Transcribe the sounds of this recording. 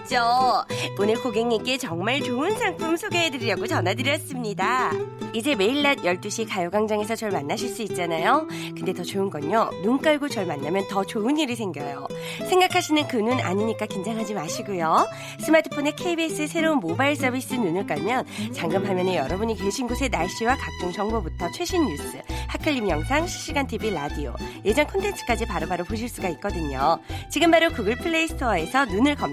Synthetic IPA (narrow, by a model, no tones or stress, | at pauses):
t͡ɕ͈o | onɯɭkoɡe̞ŋik͈e̞t͡ɕʌŋmaɭt͡ɕoɯnsʰaŋpʰumsʰoɡeɦedɯɾiɾjʌɡot͡ɕʌnɦadɯɾjʌs͈ɯmɲidaid͡ʑe̞me̞iɭːad̚jʌɭt͈uɕʰikajoɡaŋd͡ʑaŋe̞sʰʌt͡ɕʌɭmanːaɕʰiɭs͈uit̚t͡ɕ͈anajokɯnde̞tʌt͡ɕoɯnɡʌɲonunk͈aɭɡot͡ɕʌɭmanːamjʌntʌt͡ɕoɯniɾisʰe̞ŋɡjʌjo̰ | sʰeŋɡakʰaɕʰinɯnkɯnuna̰ɲiɲik͈akind͡ʑaŋɦad͡ʑimaɕʰiɡujo | s͈ʰɯmatʰɯ̥pʰone̞kʰeibis͈ɯesʰe̞ɾounmobaiɭs͈ʌbʱis͈ɯnunɯɭk͈amjʌnt͡ɕaŋɡɯmɦamjʌnejʌɾʌbuɲikweɕʰinɡosʰe̞naɭɕ͈iwakak̚t͡ɕ͈oŋt͡ɕʌŋbobutʰʌt͡ɕʰwe̞ɕʰinːus͈ɯ̰hakʰɯʎːimjʌŋsʰaŋɕʰi̥ɕ͈iɡantʰibiɾadio̰je̞d͡ʑʌnkʰʌntʰe̞ntʰɯ̥k͈ad͡ʑipaɾobaɾopoɕ̬ʰiɭs͈uɡait̚k͈ʌdɯɲot͡ɕiɡɯmbaɾokɯɡɯɭpʰɯɭːe̞isʰtʰe̞sʰʌnunɯɭkʌm